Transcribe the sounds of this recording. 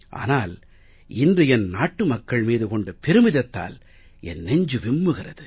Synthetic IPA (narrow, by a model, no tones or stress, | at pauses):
ʔa̰ːnaːl | ɪndrɯjɛnnaːʈːɯmɐkːɐɭmiːðɯkɔɳɖɐpɪɾɯmɪðɐt̪ːa̰ːl | ɛnːɛɲd͡ʒɯʋɪmːɯɣɪrɐðɯ